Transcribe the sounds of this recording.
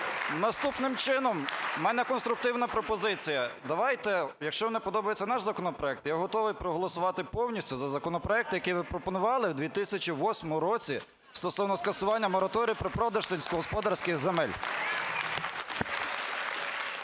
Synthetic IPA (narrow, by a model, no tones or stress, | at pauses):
nɐst̪upnɪmt͡ʃɪnɔmːɛnɛkɔnst̪ɾʊk̚t̪ɪwnɐpɾɔpɔzɪt͡sʲijɐd̪ɐʋɑjt̪ɛjɐkʃt͡ʃɔʋnɛpɔd̪ɔbɐjet͡sʲːɐnɑʒzɐkɔnɔpɾɔɛk̚t̪jaɦɔt̪ɔʋɪjpɾɔɦɔlˠɔsʊʋɑt̪ɪpɔwnʲisʲtʲʊzɐzɐkɔnɔpɾɔɛk̚t̪jɐkɪjʋɪpɾɔpɔnʊʋɑlˠɪwd̪ʲʋʲit̪ɪsʲɐt͡ʃʲiʋɔsʲmɔmʊɾɔt͡sʲi | st̪ɔsɔwnɔskɐsʊʋɑnʲːɐmɔɾɐt̪ɔɾʲijpɾɔpɾɔd̪ɐʒsɪlʲsʲkɔɦɔspɔd̪ɑrsʲkɪɣzemɛlʲ